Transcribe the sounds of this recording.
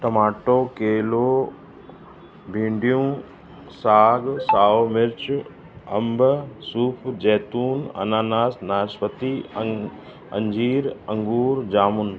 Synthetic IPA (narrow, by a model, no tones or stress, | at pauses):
ʈɐmaːʈoːkeːloː | bʱĩːɳɖijũː | saːɡsaːomɪɾt͡ʃ | ɐmbsuːpʰd͡ʑɛːt̪uːnɐ̰naːnaːsnaːspət̪i | ɐ̰̃ɲd͡ʑiːɾɐ̃ŋɡuːɾd͡ʑaːmʊn